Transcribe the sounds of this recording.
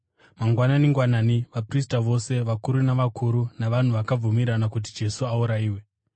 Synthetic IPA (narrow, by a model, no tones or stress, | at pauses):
maŋɡwananiŋɡwananiʋapris̬taʋo̞se̞ʋakuɾunaʋakʰuɾunaʋan̤uʋakab͡vumiɾanakut̬id͡ʒe̞suauɾaiːwe̞